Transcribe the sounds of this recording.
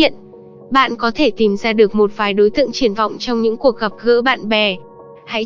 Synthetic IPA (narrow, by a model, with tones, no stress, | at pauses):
ḭ˧˨ən | ɓa̰ː˧˨nkɔ˨˦t̪ʰe˧˩t̪i˨˩mzaː˧ɗɨ˨˩ək̚mo˨˩t̚vaː˨˩˦jɗo˨˦jt̪ɨ̰˧˨əŋt͡ɕi˧˩ənvɔ̰˧˨wŋ͡mt͡ɕɔ˧wŋ͡mɲɨ̰˧˥ŋku˨˩ək̚ɣə˨˩p̚ɣə̰ː˧˥ɓa̰ː˧˨nɓɛ˨˩ | ha̰˧˥j